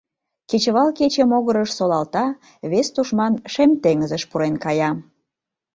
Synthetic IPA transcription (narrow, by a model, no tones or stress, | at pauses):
ket͡ɕəβɑlket͡ɕəmoɣəɾəʃsolɑlt̪ɑ | βest̪uʃmɑnʃemt̪eŋəzəʃpuɾenkɑjɑ